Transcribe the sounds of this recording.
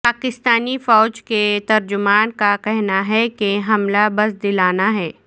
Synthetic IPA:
paːkɪst̪aːnifɔːd͡ʒket̪ɐɾd͡ʒʊmaːnkakɛɦnaɦɛkeɦɐmlabɐsd̪ɪlaːnaɦɛː

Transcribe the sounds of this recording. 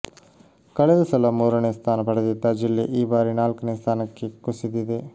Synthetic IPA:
kɐɭɛd̪ɐsɐlɐmuːɾɐɳeːst̪ʰaːnɐpɐɽɐd̪id̪ːɐd͡ʒilːeʔiːbaːɾinaːlkɐneːst̪ʰaːnɐkːekusid̪id̪e

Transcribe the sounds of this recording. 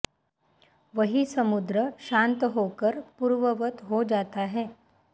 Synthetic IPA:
ʋəɦisɐmud̪ɾəʃãːnt̪ɦokəɾpuːɾʋəʋət̪ɦod͡ʒaːt̪aɦɛː

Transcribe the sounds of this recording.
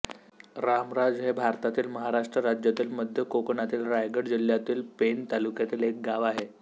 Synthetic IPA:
ɾamɾad͡zɦebʱaɾt̪at̪iːlməɦaɾaʂʈɾəɾad͡ʑjat̪iːlməd̪ʱjəkokɳat̪iːlɾajɡəɽd͡ʑiljat̪iːlpent̪alukjat̪iːlek̚ɡaʋaɦe

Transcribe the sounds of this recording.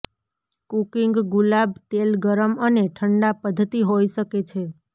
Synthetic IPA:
kukiŋɡɡulab̚t̪elɡəɾəməneʈʰəɳɖapəd̪ʱːət̪iɦojʃəket͡ʃʰe

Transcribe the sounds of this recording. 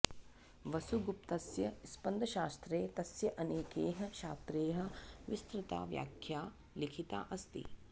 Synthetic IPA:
ʋɐsuɡup̚t̪ɐsjɐspɐnd̪ʱɐʃaːst̪ɾeːt̪ɐsjɐʔɐneːkeːɦɐ̆ʃaːst̪ɾeːɦɐ̆ʋist̪ɾɪt̪a̰ːʋja̰ːkʰjaː | likʰit̪a̰ːʔɐst̪ḭ

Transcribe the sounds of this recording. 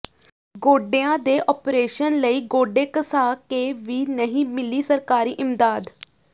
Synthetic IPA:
ɡoːɖeːãːd̪eːʔɔːpɾeːʃənləiːɡoːɖeːkəsaːkeːʋiːnəɦĩːmɪliːsəɾkaːɾiːʔɪmd̪aːd̪

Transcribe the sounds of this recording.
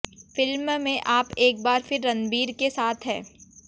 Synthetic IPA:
fɪlmmẽʔaːpeːk̚baːɾfɪɾːɐ̃nd̪biːɾkesaːt̪ʰɦɛː

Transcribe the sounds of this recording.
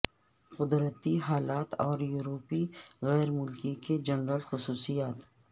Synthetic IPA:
qʊd̪ɾət̪iɦaːlaːt̪ɔːɾjuːɾoːpiɣɛːɾmʊlkiked͡ʒɐnɾəlxʊsuːsijaːt̪

